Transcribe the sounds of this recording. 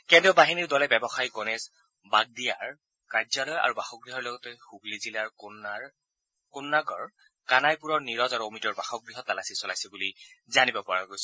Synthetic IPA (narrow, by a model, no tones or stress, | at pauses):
kɛndiɔbaɦiniɹdɔlɛbɛbɔxajkɔnɛz | baɡ̚dijaɹ | kaɹzalɔja̰ɹubaxɔɡɹiɦɔɹlɔɡɔtɛxuɡlizilaɹknaɹ | kʊnːaɡɔɹ | kanajpuɹɔɹniɹɔzaɹuomitɔɹbaxɔɡɹiɦɔtalasisɔlajsɛbulizanibɔpɔɹaɡojsɔ